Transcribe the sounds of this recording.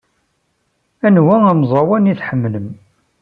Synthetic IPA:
ænwææmzˤɑwæniθħəmːləm

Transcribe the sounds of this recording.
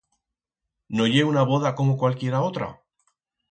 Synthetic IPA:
no̞ʎe̞unaβo̞ðako̞mokwalkje̞ɾao̞t̪ɾa̰

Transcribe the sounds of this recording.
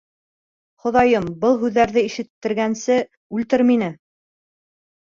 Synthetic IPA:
χŏðɑjɤmbɤlˠɦʉðːæɾðɘiʃɘ̆t̪ːɘ̆ɾɡænsɘ | ʉlt̪ɘɾminɘ

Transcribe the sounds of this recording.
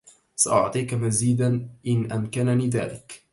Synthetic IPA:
saʔʊʕt̪ˤiːkamaziːd̪anʔɪnʔamkananiːðaːlɪk

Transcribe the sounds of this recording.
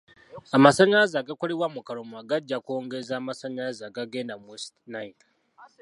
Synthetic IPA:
amasaɲazaɡakʷaɾiwamukaɾomuaɡad͡ʒakʷoŋɡezamasaɲazaɡaɡenamistnajn

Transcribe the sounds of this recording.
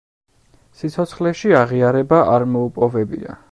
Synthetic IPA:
sit̪sʰɔt̪sʰχlɛʃiaʁiaɾɛbaʔaɾmɔupʼɔvɛbḭa̰

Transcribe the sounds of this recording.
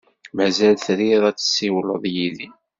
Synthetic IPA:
mæzælθɾiðˤæt͡sːə̥sːiwləðˤjiði

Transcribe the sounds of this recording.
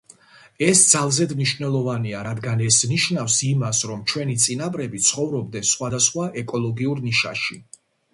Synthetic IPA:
ɛsd̪zalˠzɛd̪mniʃnɛlˠɔvaniaɾad̪ɡanɛsniʃnafsimasɾɔmt͡ʃʰwɛnit̪sʼinabɾɛbit̪sʰχɔvɾɔb̚d̪ɛnsχwad̪asχwaʔɛkʼɔlˠɔɡiuɾniʃa̰ʃi

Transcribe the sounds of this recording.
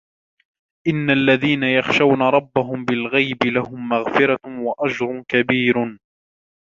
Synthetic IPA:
ʔɪnːalːaðiːnajɑxʃawnaɾˤɑbːaɦʊmbɪlɣajbɪlahʊmːaɣfɪɾawaʔad͡ʒɾˤʊnkabiːɾ

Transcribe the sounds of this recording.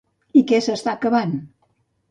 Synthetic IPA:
ikɛsəst̪akəβan

